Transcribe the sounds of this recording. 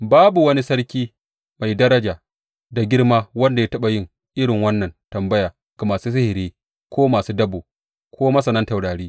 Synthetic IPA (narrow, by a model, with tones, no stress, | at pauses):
baː˦bu˨wɐ˦ni˦sɐ˦ɽkʲiː˦ | ma˨jdɐ˦ɾɐ˦d͡ʒaː˨ | da˨ɡʲɪ˦ɽmaː˦wɐ˦nda˨ja˦tɐ˦ɓa˨jɪ˦ŋ | ʔɪ˦ɽɪ˨ŋwɐ˦nːɐ˨ntɐ˨mbɐ˦jaː˨ | ɡ̥a˨maː˨suː˦s̬ɪ˦hɪ˨ɾeː˦ | kʷʰoː˦maː˨suː˦dɐ˦boː˨ | kʰoː˦mɐ˦sɐ˨nɐ˦nta˨wɽaː˨ɽiː˦